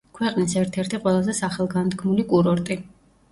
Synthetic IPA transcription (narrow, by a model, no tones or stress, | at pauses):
kʰwɛqʼnisɛɾt̪ʰɛɾt̪ʰiqʼwɛlˠazɛsaχɛlˠɡant̪kʰmulikʼuɾɔɾt̪ʼi